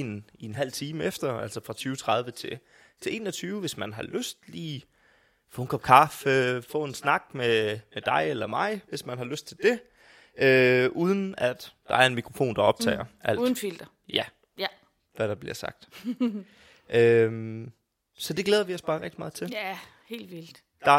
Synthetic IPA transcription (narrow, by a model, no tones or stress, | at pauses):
enienɦæl̰t͡sʰiːməefd̥ɐæl̰sɒfʁɑ̈t͡sʰyːʊət͡sʰʁɑ̈ð̞ˠʋət͡sʰe̝ | t͡sʰe̝e̝̰ːnɒ̽t͡sʰyːʊʋe̝smænɦɑ̈løsd̥liː | fɔ̽nŋkʰɒ̽b̥̚kʰɑ̈ːføfɔ̰̽e̝nsnɑ̈ɡ̥̚memed̥ɑ̈ɪelɐmɑ̈ɪʋe̝smænɦɑ̈løsd̥̚t͡sʰe̝ld̥e̝ | øʔuːð̞ˠən̩æd̥d̥ɑ̈æɐe̝nmikʰʁofo̝̰ːnd̥ɑ̈ɒ̽b̥̚t͡sʰɛ̰ːɐʔælːðˠn̩fild̥ɐ | jæ | ʋæɾ̥ɑ̈b̥liɐsɑ̈ɡ̥̚d̥ | ʔøm | sɒ̽d̥e̝ɡ̥leːð̞ˠɐʋiɒ̽sb̥ɑ̈ːʁɛɡ̥d̥imɑ̈ːð̞̩ˠt͡sʰe̝l | he̝̰ːld̥ʋil̰d̥ | d̥ɑ̈